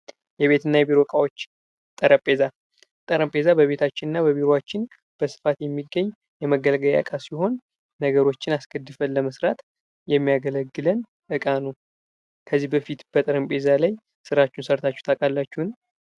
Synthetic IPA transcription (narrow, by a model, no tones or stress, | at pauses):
jɛβe̞t̪ʰɨnːajɛbiɾo̞kʼawot͡ʃː | t̪ʼəɾəpʼe̞za | t̪ʼəɾəmpʼe̞zabəβe̞t̪ʰat͡ʃːɪnɨnːabəβiɾoat͡ʃːɪn | b̥əsɨ̥fat̪jɛmːiɡːəɲː | jɛməɡəlɡəla̰kʼasiho̞nː | əɡəɾo̞t͡ʃːɪnaskʰəd̪ːɨfənlːəməsɾat̪ | jɛmːijaɡələɡːɨlən | ʔɨkʼanəw | kʰəzːihbəfit̪b̥ət̪ʼəɾəmpʼe̞zalaj | sɨɾat͡ʃːɪnsəɾt̪ʰat͡ʃːu̥t̪ʰakʼalːat͡ʃːuhn